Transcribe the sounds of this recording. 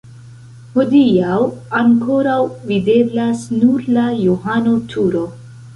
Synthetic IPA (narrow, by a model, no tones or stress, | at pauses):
hodiawaŋko̞ɾawvide̞blasnuɾlajoɦano̞tʰuɾo̞